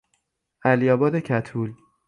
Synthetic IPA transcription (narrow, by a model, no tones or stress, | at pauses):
ʔælijɒːbɒːd̪ecʰæt̪ʰuːl